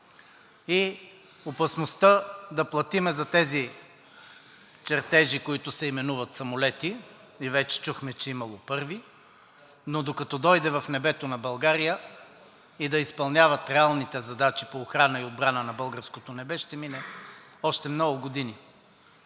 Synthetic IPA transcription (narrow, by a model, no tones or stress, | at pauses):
i | opɐsnost̪əd̪ɐplˠɐt̪imɛzɐt̪ɛzi | t͡ʃɛɾt̪ɛʒikoit̪ʊsɛimɛnuvɐt̪sɐmolɛt̪i | ivɛt͡ʃɛ̥t͡ʃuxmɛt͡ʃɛimɐlˠopɤɾvi | nod̪okɐt̪ɔd̪ɔjd̪ɛvɐfnɛbɛt̪onɐbɐlˠɡaɾijə | id̪ɐispɐlˠnʲavət̪ɾɛalˠnit̪ɛzɐd̪at͡ʃipoːxɾanəiod̪̚bɾanənɐbɤlˠɡəɾskot̪onɛbɛʃt̪ɛminɛ | ɔʃt̪ɛmnɔɡʊɡod̪ini